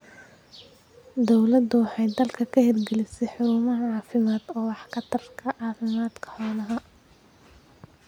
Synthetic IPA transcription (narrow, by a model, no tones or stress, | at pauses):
d̪ɔwlɐd̪ʊwɑħɑjd̪ɐlkʰɐkʰɐhɛrɡɛlɪsɛjħʊɾuːmɐɦɐʕɑːfɪmaːd̪ɔːwɑħkʰɐt̪ʰɐrkʰɐʕɑːfɪmaːd̪kʰɐ̥ħɔːlɐɦɐ